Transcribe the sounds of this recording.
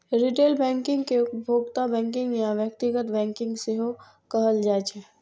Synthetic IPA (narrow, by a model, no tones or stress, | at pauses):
ɾiʈeːlbɛ̃ːŋkɪ̃ŋɡkeʊbʱoːɡt̪abɛ̃ːŋkɪ̃ŋɡjaʋjək̚t̪ɪɡət̪bɛ̃ːŋkɪ̃ŋɡseɦo | kəɦəld͡ʒaːt͡ʃɛ